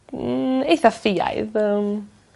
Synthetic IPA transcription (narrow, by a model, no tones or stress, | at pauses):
ejθafiːa̰jðəm